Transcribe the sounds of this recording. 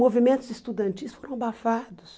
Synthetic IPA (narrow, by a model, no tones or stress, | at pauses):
movimẽnt̪ʊzɪst̪ud̪ɐ̃nt͡ʃisfoɾɐ̃w̃bafad̪ʊs